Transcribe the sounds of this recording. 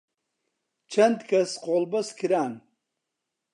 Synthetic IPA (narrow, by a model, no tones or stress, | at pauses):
t͡ʃʰɐnd̪kʰɐsqoːlbɐskʰɨɾaːn